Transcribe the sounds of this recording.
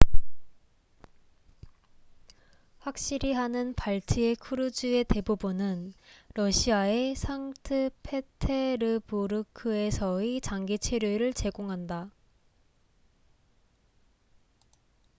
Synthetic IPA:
ɸwak̚ɕ͈iɾiɦanɯnpaɭtʰiekʰuɾɯd͡ʑue̞te̞bubunɯnɾʌɕʰiae̞sʰaŋtʰɯpʰe̞tʰe̞ɾɯpoɾɯkʰɯe̞sʰʌit͡ɕaŋɡit͡ɕʰe̞ɾjoɾɯɭt͡ɕe̞ɡoŋɦanda

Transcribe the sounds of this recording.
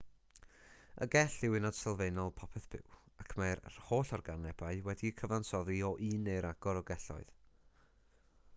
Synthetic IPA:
ə̰ɡɛɬɪwɪnɔd̥sɛlˠveɨnɔlˠpʰɔpʰɛθb̥ɪ̰wakʰmajrhoːɬɔrɡanɛbaɨwɛdikʰəvansɔðiɔʔiːnejɾaɡ̥ɔɾɔɡɛɬɔ̰ɨð

